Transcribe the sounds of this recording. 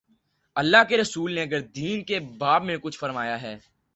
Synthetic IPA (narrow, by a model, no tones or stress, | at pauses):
ɐlːaɦkeɾɐsuːlneɐɡəɾd̪iːnkebaːbmẽkʊt͡ʃʰfɐɾmaːjaɦɛː